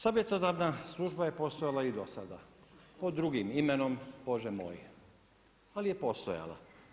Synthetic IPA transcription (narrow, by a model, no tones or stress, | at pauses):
sabjet̪t̪ot̪aɾnaslˠuːʒbaje̞po̞st̪ojalaid̪osad̪a̰pod̪ːɾuɡimimeno̞mbo̞ʒɛmo̰ːj | alijepo̞st̪o̰ja̰la̰